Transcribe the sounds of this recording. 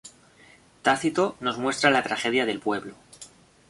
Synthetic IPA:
t̪aθit̪o̞no̞zmwe̞st̪ɾalat̪ɾaxe̞ðjaðe̞lpwe̞βlo

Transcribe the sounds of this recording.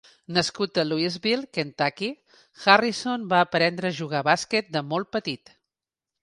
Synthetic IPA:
nəskut̪əluizβilˠkent̪aki | xarisonbaəpɾɛnd̪ɾəːʒuɣ̞aβaskɛt̪̚d̪əmolˠt̪̚pət̪it̪

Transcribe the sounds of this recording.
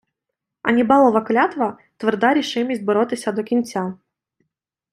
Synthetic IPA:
ɐ̰nʲibɑlˠɔʋɐklʲat̪ʋɐ | t̪ʋɪrd̪aɾʲiʃɪmʲisʲt̪̚ʲbɔɾɔt̪ɪsʲɐd̪ɔkʲinʲt͡sʲa

